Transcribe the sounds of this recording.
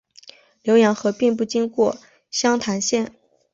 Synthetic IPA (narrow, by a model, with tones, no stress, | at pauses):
ljo˧˥ʊjɛ˧˥nxɤ˧˥pi˥˧ŋp̬u˥˩t͡ɕi˥ŋkwɔ˥˩ | ɕjɑ˥ŋt̪ʰa˧˥nɕjɛ˥˩n